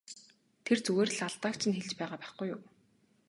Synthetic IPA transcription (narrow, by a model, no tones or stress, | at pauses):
t̪ʰert͡suɣeːr̆ɮaɮt̪aːkt͡ɕʰɪ̆nxeɮt͡ɕpæːʁaːpæːχɡujːʊw